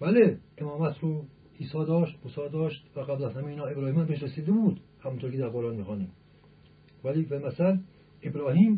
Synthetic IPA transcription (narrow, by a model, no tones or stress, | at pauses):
bæleemɒːmæt̪ʰɾo | iːsɒːd̪ɒːʃt̪musɒːd̪ɒːʃt̪væɣæblæshæmeiːnɒːebɾɒːhiːmæmbeʃɾesiːd̪ebuːd̪hæmunt̪ʰoːɾkʰed̪æɾʁoɾɑːnmiːxɑːniːm | væliːfelmæsæl | ebɾɒːhiːm